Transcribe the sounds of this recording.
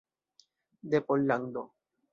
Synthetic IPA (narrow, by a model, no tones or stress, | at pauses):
d̪epolːaŋd̪o